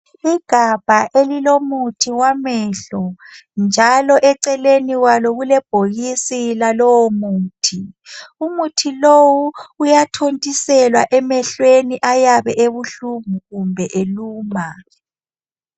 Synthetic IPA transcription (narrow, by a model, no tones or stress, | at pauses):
iɡ̥ʱab̥ʱaʔelilomutʰiwamɛɬɔnd͡ʒʱalɔʔɛǀɛleniwaloɣulɛb̥ʱoɣisilalɔwɔmuːtʰiumutʰilowuːjatʰontʼisɛlwaʔɛmɛɬweniʔajaβɛʔeβuɬumuɣumbʱɛʔeluːma